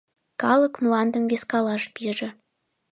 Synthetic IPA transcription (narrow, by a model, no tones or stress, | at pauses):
kɑləkmlɑnd̪əmveskɑlɑʃpiʒĕ